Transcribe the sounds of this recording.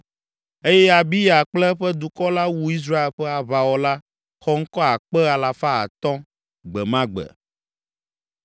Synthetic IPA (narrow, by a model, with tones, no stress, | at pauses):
e˦jɛ˦a˨bi˦ja˨k͡plɛ˦ɸɛ˦d̪u˨kɔ˦la˦wu˦i˦s̬ɾa˦e˨lɸɛ˦a˨βa˨wɔ˨la˦ | xɔ˦ŋ̩˦kɔ˦a˨k͡pɛ˦a˨la˨fa˦a̰˨t̪ɔ̃˦ | ɡ͡bɛ˨mã˦ɡ͡bɛ̰˨